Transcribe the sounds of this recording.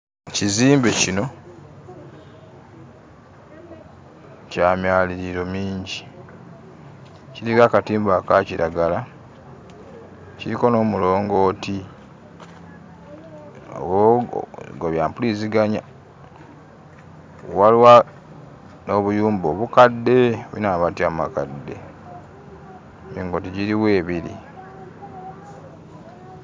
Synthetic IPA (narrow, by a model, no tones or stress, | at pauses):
ciziːmbecino̞ | caːmjaːliɾiɾo̞miːɲɟi | ciɾikakatiːmbakaciɾʔaɡala | ciɾiko̞no̞ːmulo̞ːŋɡo̞ːti | o̰o | ɡoβjaːmpuliziɡaɲa̰ | walwa | no̞βujuːmbo̞βukadːe̞βuḭnaːβatjaːma̰kadːe̞̰ | miːŋɡo̞ːtiɟiɾiwe̞ːβiɾḭ